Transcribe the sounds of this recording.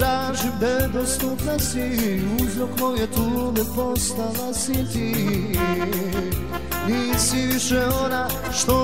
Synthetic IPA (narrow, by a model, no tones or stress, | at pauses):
ɾaʒibɛd̪ɔst̪upnasiuzɾɔkmɔjɛt̪umɛpɔst̪anasit̪i | nisiviʂɛɔna | ʂt̪ɔ